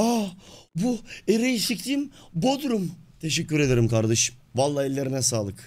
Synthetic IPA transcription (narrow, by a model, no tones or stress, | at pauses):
abueɾejiʃiclʲimbod̪uɾumt̪ʰe̞ʃɛcːyɾe̞d̪eɾimkaɾd̪eʃ | valˠːaːilʲːeɾinɛsaːlˠɯk